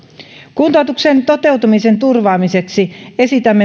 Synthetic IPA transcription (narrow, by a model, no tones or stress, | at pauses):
kunt̪oˑt̪uksent̪o̞t̪e̞wt̪umisent̪urʋɑːmise̞ksie̞sit̪æmːe